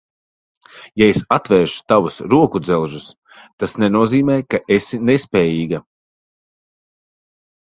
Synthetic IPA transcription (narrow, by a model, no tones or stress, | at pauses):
jaesat̪vɛːɾʃt̪avusɾuɔkud̪zɛlˠʒus | t̪asnɛnuɔziːmɛːjkaʔesinespʲɛːjiːɡa